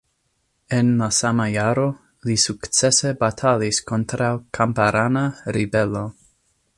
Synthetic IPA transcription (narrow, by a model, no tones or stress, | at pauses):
enlasamajaɾo | lisukt͡sesebat̪ʰaliskont̪ɾawkʰampaɾʔanaɾibelo